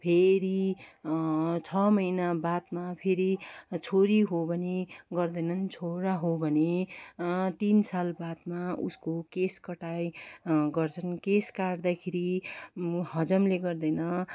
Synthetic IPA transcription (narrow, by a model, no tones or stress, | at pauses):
pʰeɾi | t͡sʰʌmʌjnabat̪mapʰeɾit͡sʰoɾiɦobʱʌneɡʌrd̪ʌjnʌnt͡sʰoɾaɦobʱʌne | t̪insalbat̪maṵskokeskʌʈajɡʌrt͡sʰʌnkeskaɽd̪akʰeɾi | hʌd͡zʌmleɡʌrd̪ʌjnʌ